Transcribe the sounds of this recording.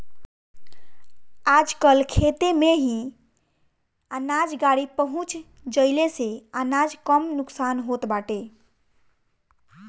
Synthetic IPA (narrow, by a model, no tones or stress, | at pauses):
ad͡ʒkəlkʰet̪emeɦĩ | ənad͡ʒɡaɽipəɦũt͡ʃ | d͡ʒəɪleseanad͡ʒkəmnuksanɦot̪baʈe